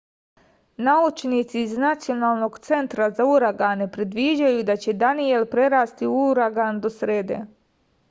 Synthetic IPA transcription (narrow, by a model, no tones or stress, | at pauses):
naut͡ʃnit̪siːznat̪sijo̞naːlˠno̞ɡt̪se̞nt̪ɾazauɾaɡaːnepɾid̪ʋid͡ʑajud̪at͡ɕe̞d̪anije̞lpɾe̞ɾaːst̪iuuɾaɡand̪o̞sɾeːd̪ḛ